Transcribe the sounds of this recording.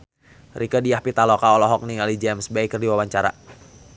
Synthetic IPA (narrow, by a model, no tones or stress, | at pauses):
rikədiahpit̪alɔkaɔlɔɦɔk̚niŋalid͡ʒɛmsbɛjkɨrdiwawaɲt͡ʃaɾa̰